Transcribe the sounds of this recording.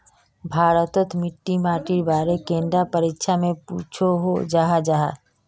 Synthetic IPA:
bʱaːɾət̪ət̪mɪʈːimaːʈiɾbaːɾekẽnd̪ɾapəɾikʃʰamẽpṵt͡ʃʰoɦod͡ʒaɦad͡ʒaɦa̰

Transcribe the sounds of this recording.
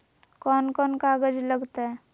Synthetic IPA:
kɔːnkɔːnkaːɡəd͡ʒləɡt̪aɦɛ

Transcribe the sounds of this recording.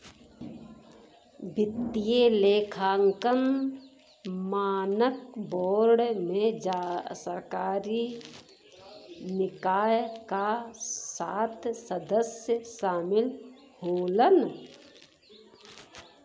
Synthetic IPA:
bʱɪt̪ːijeleːkʰaːŋkən | maːnək̚boːɾɖmẽd͡ʒasəɾkaːɾi | nɪkaːjkasaːt̪ʰsəd̪əsjəʃaːmɪl | hoːlən

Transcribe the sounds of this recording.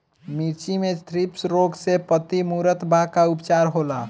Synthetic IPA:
miɾt͡ʃimest̪ʰɾipsɾoɡsepət̪imuːɾət̪bʱakaʊpt͡ʃaːɾɦoːla

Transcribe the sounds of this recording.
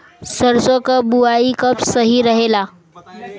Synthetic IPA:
səɾsokabuaikəpsəɦiɾəɦela

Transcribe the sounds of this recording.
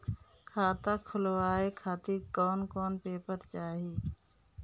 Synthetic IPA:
kʰaːt̪aːkʰʊlʋaːekʰaːt̪ikɔːnkɔːnpeːpəɾt͡ʃaːɦiː

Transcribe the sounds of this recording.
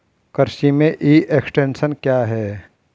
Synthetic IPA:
kəɾʃimẽʔiːʔeksʈẽːnʃənkjaːɦɛː

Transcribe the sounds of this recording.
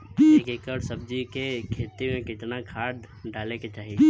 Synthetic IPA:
eːkeːkəɾsɐb̚d͡ʒikekʰeːt̪imẽkɪt̪nakʰaːd̪ | ɖaːleket͡ʃaːɦi

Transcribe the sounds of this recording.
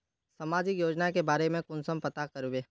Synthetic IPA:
sɐmaːd͡ʒɪkjoːd͡ʒnakebaːɾemẽkʊnsəmpɐt̪akɐɾubeː

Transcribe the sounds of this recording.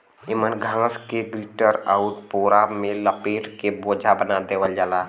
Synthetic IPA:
imənɡʱãskeɡɾiʈəɾaʊʈpoɾamẽləpeʈkebod͡ʒʱabənad̪ewəld͡ʒaːla

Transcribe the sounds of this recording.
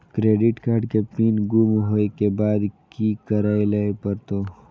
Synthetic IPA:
kɾeːɖɪʈkaːɾɖkepiːnɡumɦoːekebaːd̪kikɐɾaːilaepɐɾt̪oː

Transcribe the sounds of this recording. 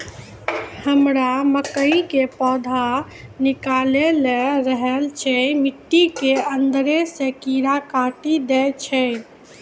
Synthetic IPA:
həmɾaməkəĩkepɔd̪ʱa | nikaleleɾəɦɛlt͡ʃʰɛmiʈːikeənd̪ɾesekiɾakaʈid̪ɛt͡ʃʰɛ

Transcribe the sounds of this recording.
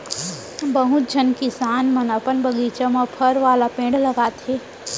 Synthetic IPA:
bɐɦut̪̚d͡ʒʱɐnkisaːnmɐnɐpənbɐɡiːt͡ʃəmɔːpʰɐɾʋaːlapẽːɖlɐɡaːt̪eː

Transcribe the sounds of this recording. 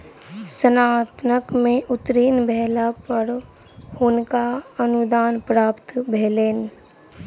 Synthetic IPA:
sənaːt̪nəkmẽʔʊt̪ɾiːnbʱɛlapəɾ | hʊnkaənud̪aːnpɾaːpt̪bʱeːleːn

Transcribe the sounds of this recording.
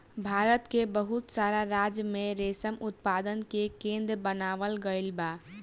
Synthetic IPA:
bʱaːɾət̪kebəɦut̪saɾaɾad͡ʒjəmẽɾesəmʊt̪̚pad̪ənkekẽnd̪ɾbənaːʋəlɡəɪlba

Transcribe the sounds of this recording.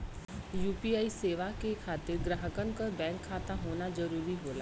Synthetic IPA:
juːpiaːiseːʋakekʰaːt̪ɪɾɡɾaɦəkənkəbɛ̃ːŋkʰːaːt̪aɦoːnad͡ʒəɾuːɾiɦoːla̰ː

